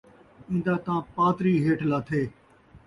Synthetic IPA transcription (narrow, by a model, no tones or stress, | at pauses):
ĩːnd̪aːt̪ãːpaːt̪ɾiːɦeːʈlaːt̪ʰeː